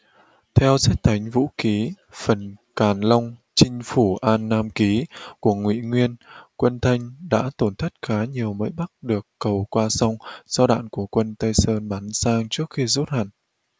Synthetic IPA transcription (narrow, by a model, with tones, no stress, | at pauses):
t̪ʰɛ˧wzɛ˦˥t̚t̪ʰa˨˦jŋ̟vṵ˧˥ki˨˦ | fə˨˩nkaː˨˩nla˧wŋ͡m | t͡ɕï˧ŋ̟fu˧˩ʔaː˧nːaː˧mki˨˦ku˧˩əŋwḭ˧˨ŋwi˧ənkwə˧nt̪ʰa˧jŋ̟ɗa̰ː˧˥t̪o˧˩nt̪ʰə˦˥jt̚xaː˨˦ɲi˨˩əwmə̰ː˧˥jɓa˦˥k̚ɗɨ˨˩əkːə˨˩wkwaː˧sa˧wŋ͡mz̥ɔ˧ɗa̰ː˧˨nku˧˩əkwə˧nt̪ə˧jsəː˧nɓaː˨˦nsaː˧ŋt͡ɕɨ˦˥ək̚xi˧zu˦˥t̚ha˨˩ŋ